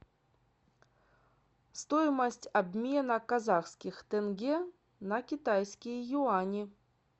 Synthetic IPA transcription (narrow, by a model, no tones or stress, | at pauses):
st̪ɔjmɐsʲtʲabʲmʲenɐkazaxskʲixt̪ɛnɡʲɛ | nɐkʲit̪ajskʲijjuanʲi